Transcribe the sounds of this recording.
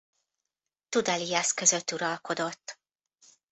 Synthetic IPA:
t̪ud̪ɛliɒskø̞zø̞t̪ːuɾɒlko̞d̪o̞t̪ː

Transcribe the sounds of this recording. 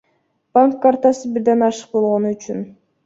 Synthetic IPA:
baŋkːaɾt̪ɑsɯbiɾd̪enɑʃə̥q̚bo̞lˠʁonuyt͡ʃyn

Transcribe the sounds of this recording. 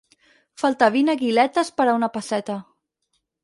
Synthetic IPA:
falˠt̪aβinaɣilɛt̪əspəɾaunapasɛt̪ə

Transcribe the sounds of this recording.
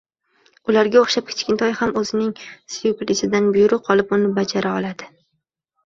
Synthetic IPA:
ʊlaɾɡʲaoχʃap̚kʲʰɪ̥t͡ʃkʲɪnt̪ʰɒjhamɵzɪnɪŋsjʊklɪsɪd̪anbʊjʊɾʊqʰɒlˠɪpʊnɪbad͡ʒaɾaɒlˠad̪̥ɪ

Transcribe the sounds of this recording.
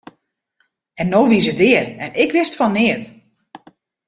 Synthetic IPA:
ɛnːoːʋisədɪːərɛnɪkʋɪstfɔnːɪət

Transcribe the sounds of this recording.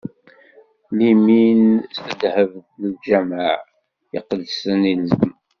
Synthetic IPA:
liminst̪əd̪həvɡləld͡ʒæmaʕ | ɪ̰qəlsənilzəm

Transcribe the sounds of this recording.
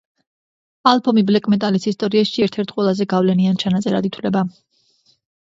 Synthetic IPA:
alˠpʰɔmiblɛkʼmɛt̪ʼalisist̪ʼɔɾiasʃiɛɾt̪ʰɛɾt̪̚ʰqʼwɛlˠazɛɡavlɛniant͡ʃʰanat̪sʼɛɾad̪it̪ʰlɛba

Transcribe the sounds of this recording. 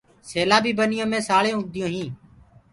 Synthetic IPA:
seːlaːbiːbənɪjõːmẽːsaːɭẽːʊd̪ʱɪjõːɦĩː

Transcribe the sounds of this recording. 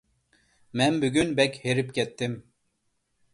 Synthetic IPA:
mɛnbyɡʲynbɛkʲheɾip̚kʲʰɛt̪ːɪm

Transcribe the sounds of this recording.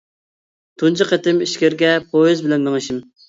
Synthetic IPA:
t̪ʰunt͡ʃʰɨqet̪ɪmiʃkʲɪɾɡʲɛpʰoizbɪlɛnmɪŋɨʃɪm

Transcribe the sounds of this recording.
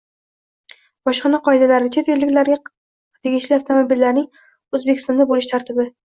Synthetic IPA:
bɒʃqɨnaqʰɒɪd̪alaɾɪt͡ʃʰet̪elːɪkʲlaɾɡʲa | t̪ʰe̞ɡʲɪʃlɪaft̪ʰomobɪlːaɾnɪŋ | ɵzbekʲʰɪst̪ɒnabolɪʃt̪ʰaɾt̪ʰɪbɪ

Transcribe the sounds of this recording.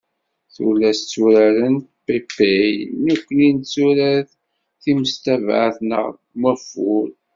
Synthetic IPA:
θṵlːæst͡sːuɾæɾəntpepejnukʷːənint͡sːuɾæθ | θiməst̪ævʕəθnə̰ʁ | məfʊɾ

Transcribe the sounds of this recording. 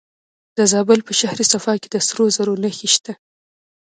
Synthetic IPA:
d̪̥əzɑbəlpəʃahɾisafɑked̪əsɾozaɾonəxiʃt̪a

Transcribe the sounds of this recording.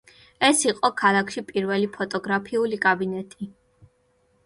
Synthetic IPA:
ɛsiqʼɔkʰalˠakʰʃipʼiɾvɛlipʰɔt̪ʼɔɡɾapʰiulikʼabinɛt̪ʼi

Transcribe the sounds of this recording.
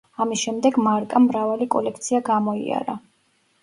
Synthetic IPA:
amisʃɛmd̪ɛɡmaɾkʼamɾavalikʼɔlɛkʰt̪sʰiaɡamɔḭa̰ɾa

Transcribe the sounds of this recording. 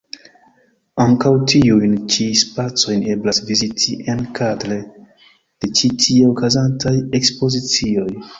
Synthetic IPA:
aŋkawtʰiujnt͡ʃispat͡so̞jne̞blasvizitʰiʔenkʰadɾe | d̥e̞t͡ʃitʰieokazantaje̞kspo̞zit͡sio̞j

